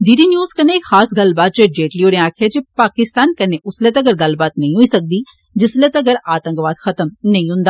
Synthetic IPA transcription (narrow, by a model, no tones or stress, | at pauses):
ɖiːɖiːnjuːzkɐneɪkxaːsɡɐlbaːt̪̚t͡ʃed͡ʒeːʈliːoːɽẽaːkʰad͡ʒepaːkɪst̪aːnkɐneʔʊslet̪ɐɡəɾɡɐlbaːt̪nɐɦĩɦoisɐk̚d̪iː | d͡ʒɪslet̪ɐɡəɾaːt̪ə̃ŋkʋaːd̪xʰɐt̪əmnɐĩɦʊ̃nd̪aː